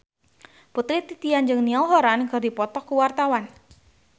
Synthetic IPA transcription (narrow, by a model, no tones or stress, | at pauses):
put̪ɾit̪it̪iand͡ʒɨŋniɔlɦɔɾanŋɡərdipɔt̪ɔkuwart̪awan